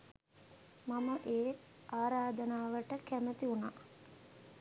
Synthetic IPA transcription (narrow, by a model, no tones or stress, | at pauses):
maməʔeː | aːɾaːd̪ənaːʋəʈəkæmət̪iunaː